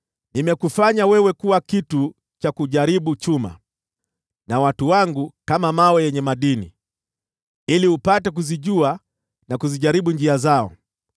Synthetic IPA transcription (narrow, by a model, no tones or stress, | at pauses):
nimɛkufaɲawɛwɛkuwakitu | t͡ʃakuʄaɾiɓut͡ʃuma̰ | nawatuwaŋɡukamamawɛjɛɲɛmaɗinḭ | iliupatɛk̬uziʄua | nakuziʄaɾiɓund͡ʒiazaɔ̰